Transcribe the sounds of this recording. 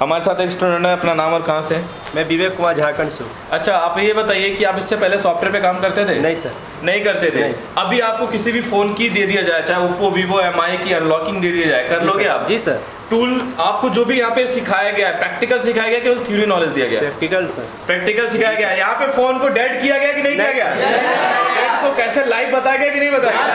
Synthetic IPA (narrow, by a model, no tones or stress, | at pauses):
ɦɐmaːɾesaːt̪eksʈɾomɛ̃ɳəɐpnanaːmɔːɾkɐɦãse | mɛ̃ːbiːʋekʊmaːd͡ʒʱaːkəɳs | ɐtːʃʰaaːpejebɐt̪aːiekiaːpɪsːepɛɦlesɔːfʈeɾpekaːmkɐɾt̪et̪ʰeːnɐɦĩsɐɾ | nɐɦĩkɐɾt̪et̪ʰeĩ | ɐbʱiaːp̚kokɪsibʱifoːnkid̪eed̪ijad͡ʒaːjt͡ʃaːɦeuːpobʱiʋoɛmaːikiɐ̃nlɔːkɪ̃ŋɡd̪ied̪ijad͡ʒaːekɐɾloːɡeaːpd͡ʒiːsɐɾ | ʈuːlaːp̚kod͡ʒoːbʱijɐɦãpesɪkʰaːjaɡɐjaɦɛpɾɛːk̚ʈɪkəlsɪkʰaːjaɡɐjakiot̪ʰjuːɾinɔːled͡ʒd̪ija̰ɡɐja̰ɾɛkʈɪkəlsɐ | pɾɛːk̚ʈɪkəlsɪkʰaːjaɡɐjaɛjɐɦãpefoːnkoɖɛːɖkijaɡɐjakinɐɦĩd̪ijaɡɐja | ekokɛːselaːɪfbɐt̪aːjaɡɐjakinɐ̃ɦĩbɐt̪aːi